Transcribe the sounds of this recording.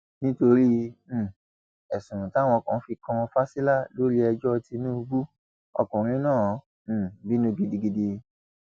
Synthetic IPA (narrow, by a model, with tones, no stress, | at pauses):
nĩ˦to˧ɾi˦˨ | ɛ˨sũ˨ɾũ˨ta˦˨wɔ̃˧kã˨˦fi˧kã˧fa˦si˦la˦˨lo˦ɾi˦ɛ˧d͡ʒɔ˦˧ti˧nĩ˦u˧ɡ͡bu˦ | ɔ̰˧kũ˨ɾ̃ĩ˦nãː˦˨˦ | bi˦nũ˦ɡi˧˨di˧ɡi˧de˧